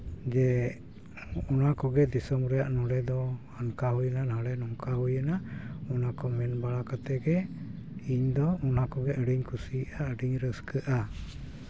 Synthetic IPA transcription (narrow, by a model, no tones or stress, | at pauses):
d͡ʒɛ | ɔnakɔɡɛd̪isɔmɾɛjaʔnɔɽɛd̪ɔ | ankaɦujənanaɽɛnɔŋkaɦujənaɔnakɔmɛnbaɭakat̪ɛɡɛ | iɲd̪ɔɔnakɔɡɛʔəɖiɲkʰusiʔaəɖiɲɾəskəʔa